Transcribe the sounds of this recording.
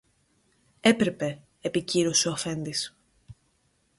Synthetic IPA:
e̞pɾe̞pe̞ː | piciɾo̞seoɐfe̞nd̪is

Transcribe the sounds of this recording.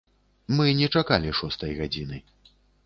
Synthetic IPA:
mɨnʲɛt͡ʂakalʲiʂɔst̪ɐjɣad͡zʲinɨ

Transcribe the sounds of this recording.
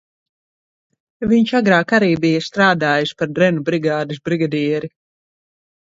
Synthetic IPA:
viɲʃaɡɾaːkaɾiːbijɐst̪ɾaːd̪aːjuspaɾd̪ɾɛnubɾiɡaːd̪is̬bɾiɡad̪iɛɾi

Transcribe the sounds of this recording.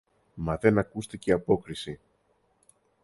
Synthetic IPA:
mɐðe̞nɐkust̪eceɐpo̞kɾisi

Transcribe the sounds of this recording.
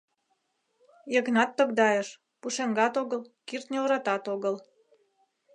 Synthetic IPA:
jəɣnɑt̪ːəɣd̪ɑjəʃ | puʃeŋɡɑt̪oɣəlkirt̪nʲeoɾɑt̪ɑt̪oɣəl

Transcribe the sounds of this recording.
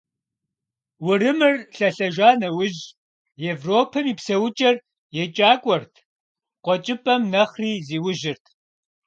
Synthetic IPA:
wʊrɨmɨrɬɐɬɐʒʷaːnɐwʊʑ | evroːpʰɐmiːpsɐwʊt͡ʃʼɐr | jɛt͡ʃʼaːkʷʼɔrtʰ | qʷɔt͡ʃʼɪpʼɐmnɐχriːziːwʊʒɪrtʰ

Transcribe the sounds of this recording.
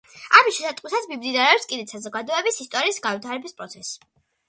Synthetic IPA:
amiʃɛsat̪ʼqʼwisat̪mimd̪inaɾɛɔpskʼid̪ɛt̪sazɔɡad̪ɔɛbisist̪ʼɔɾiːsɡanvit̪ʰaɾɛbispʼɾɔt̪sʰɛs

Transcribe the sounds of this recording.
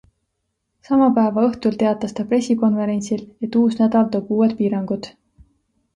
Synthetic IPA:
sɑmɑpæevɑɤht̪ult̪e̞ɑt̪ːˑɑst̪ɑpre̞siko̞nve̞ɾe̞nʲsile̞t̪ːuːsnæd̪̥ɑld̪okuːed̪̥̚piːɾɑŋɡ̥ud̪̥

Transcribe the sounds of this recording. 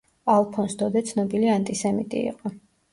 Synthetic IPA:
alˠpʰɔnsd̪ɔd̪ɛt̪sʰnɔbiliant̪ʼisɛmit̪ʼḭːqʼɔ

